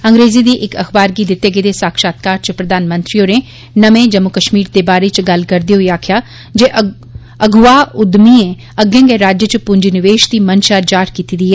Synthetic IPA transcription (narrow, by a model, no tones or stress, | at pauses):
əŋɡɾeːziːd̪iːʔɪkəxbaːɾɡiːd̪ɪt̪ːeːɡeːd̪eːsaːkʃaːt̪̚kaːɾt͡ʃəpɾəd̪aːnmənt̪ɾioːneː | nəmẽːd͡ʒəmːʊkəʃmiːɾd̪eːbaːɾet͡ʃɡəlkəɾd̪iːɦʊiːaːkʰɪjaː | d͡ʒeːʔ | əɡʊaːʊd̪miːẽː | əɡẽːŋɡeːɾaːd͡ʒjət͡ʃpʊɲd͡ʒnɪʋeːʃd̪iːmənʃaːd͡ʒaːɾkiːt̪iːd̪iːɦɛː